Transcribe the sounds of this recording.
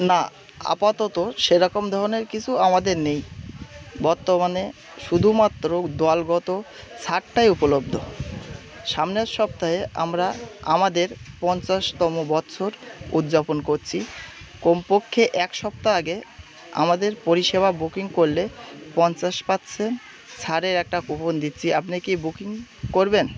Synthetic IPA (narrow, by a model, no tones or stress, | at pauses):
na | a̰pat̪ɔt̪oʃeɾɔkomd̪ʱɔɾoneɾkit͡ɕʰuamad̪eɾnej | bɔɾt̪omane | ʃud̪ʱumat̪ːɾod̪ɔalɡɔt̪o | t͡ɕʰaʈːajupolob̚d̪ʱo | ʃamneɾʃɔp̚t̪aɦea̰mɾaamad̪eɾpɔnt͡ɕaʃt̪ɔmobɔtːɕʰoɾud̪d͡ʑaponkoɾt͡ɕʰikompokʰːeʔɛkʃɔp̚t̪aaɡe | a̰mad̪eɾpoɾiʃeβabukiŋkoɾlepɔnt͡ɕaʃpatːsʰen | t͡ɕʰaɾeɾɛk̚ʈakupond̪it̪ːɕʰiʔapnikibukiŋkoɾben